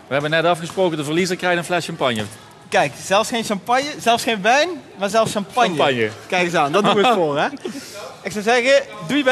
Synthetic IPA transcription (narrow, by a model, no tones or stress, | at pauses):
ʋəɦɛbənɛtɑfχəsprowkədəvərlizəkrɛjtənflɛʃɑmpɑɲjə | kɛjkz̥ɛlˠfsχejnʃɑmpɑɲjəzɛlˠfsχejnʋɛjnmaːɹzɛlˠfsʃɑmpɑɲɲjəɑɲjəkɛjkəzaːndɑtdufoːrɛ | ɪksɑwzɛɣədujəb